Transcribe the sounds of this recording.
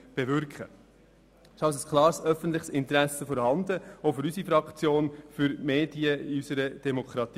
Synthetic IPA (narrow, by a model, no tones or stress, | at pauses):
b̥ɛvʏɾkχə | sɑws̬əskʰlɑːɾsœfən̩t̪lɪχsɪnt̪ɾæsəfɔːɾhɑnd̪əɔfʏɾysifɾɑkt͡sjoːnfʏɾmeːdiəiysəɾəd̥ɛmokʰɾɑt̪ː